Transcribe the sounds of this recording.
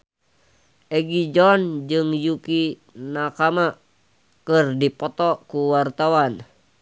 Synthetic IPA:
ʔɛɡid͡ʒɔnd͡ʒɨŋjuki | nakama | kɨrdipɔt̪ɔkuwart̪awan

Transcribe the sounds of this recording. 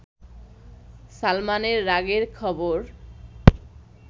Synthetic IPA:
salmaneɾːaɡeɾkʰɔboɾ

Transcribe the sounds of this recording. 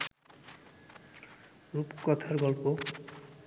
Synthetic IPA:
ɾupkɔt̪ʰaɾɡɔlpo

